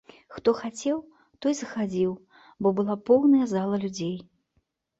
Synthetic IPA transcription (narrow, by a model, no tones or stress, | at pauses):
xt̪ɔxat͡sʲɛw | t̪ɔjzɐxad͡zʲiw | bɔbɨlˠapɔwnɐjɐzalˠɐlʲud͡zʲej